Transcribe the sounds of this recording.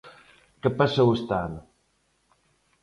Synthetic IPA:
kepasowest̪an

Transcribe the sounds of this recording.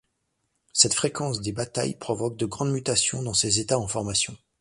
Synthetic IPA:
sɛt̪fχekɑ̃sd̪ebat̪a̰jpχɔvɔk̚d̪əɡʁɑ̃d̪myt̪asjɔ̃d̪ɑ̃sezet̪aɑ̃fɔʁmasjɔ̃

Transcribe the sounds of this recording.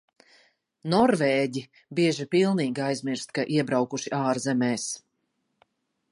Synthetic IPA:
nɔɾvɛːɟi | biɛʒipilˠniːɡiajzmiɾst̪̚kaʔiɛbɾawkuʃiʔaːɾzɛmɛːs

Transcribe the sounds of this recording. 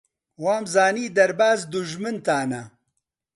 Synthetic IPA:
waːmzaːniːd̪ɐɾbaːzd̪ʊʒmɨnt̪aːnɐ

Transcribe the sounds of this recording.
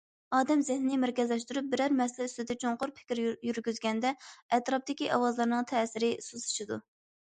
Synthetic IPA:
ɑːd̪ɛmzɪhnnɪmæɾkʲɛzlɛʃt̪uɾup̚bɪɾæɾmɛslɛyst̪ɪd̪ɛt͡ʃʰoŋqʊɾpʰɪ̥kʲɾjyɾɡʲyzɡʲɛnd̪ɛɛt̪ɾɑp̚d̪ɪkʲiʔɑwɑzlˠɑɾnɨŋt̪ʰɛsɪɾɪsuzu̥ʃid̪u

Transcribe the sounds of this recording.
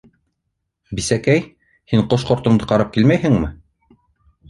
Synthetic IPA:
bisækæj | hiɴqoʃqŏɾt̪ɤ̆ɴd̪ɤqɑɾɑp̚kilmæjɦɘ̆ŋmɘ

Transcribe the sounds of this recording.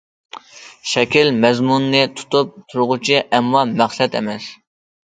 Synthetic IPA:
ʃɛkʲilmɛzmunːɨt̪ʰu̥t̪up̚t̪ʰuɾʁʊt͡ʃʰiʔɛmːɑmæχsɛt̪ɛ̰mɛs

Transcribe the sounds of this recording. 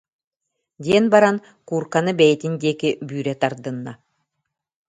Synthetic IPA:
d̪ʲiɛnbaɾan | kuːɾkanɯbɛjɛt̪ind̪iːkibyːɾɛt̪aɾd̪ɯnːa̰

